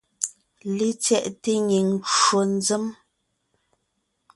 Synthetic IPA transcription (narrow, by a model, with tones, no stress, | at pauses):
le˦t͡sjɛ˦˨ʔte˦ɲi˨ŋo˨n˦d͡zə˦m